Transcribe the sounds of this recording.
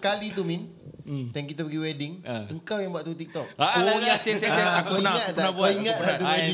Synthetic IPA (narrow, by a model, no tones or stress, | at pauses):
kalit̪umind̪ɛŋkit̪apəɡiwɛdɪŋəŋkawjaŋbuaʔ̪t̪ut̪ik̚t̪ɔkaoasɛsɛakiaŋət̪p̪nabaiŋət̪̚at̪ue